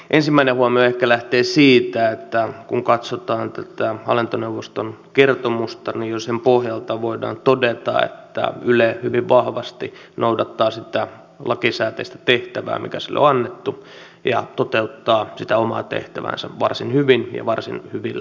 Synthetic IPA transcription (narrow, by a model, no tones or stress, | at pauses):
ʔensimːæinehuɑmioehkælæht̪eːsiːt̪æet̪ːækuŋkɑt̪sot̪ɑːnt̪æt̪æɑ̰lint̪oneuʋːost̪onkert̪omust̪ɑnijjosempohjɑlt̪ɑʋoidɑ̰ːnt̪odet̪ɑ̰ḛt̪ːæ̰ylehyʋiʋʋɑhʋɑst̪i | noudɑt̪ːɑːsit̪æ | lɑkisæːt̪eist̪æ̥t̪eht̪æʋæ̰ːmʔḭkæsilːo̰ɑnːet̪ːu | jɑ̰t̪ot̪eut̪ːɑːsit̪æomɑ̰ːt̪ḛht̪æʋæ̰nsæ̰ʋɑrsinhyʋinjɑ̰ʋɑrsḭnhyʋilːæ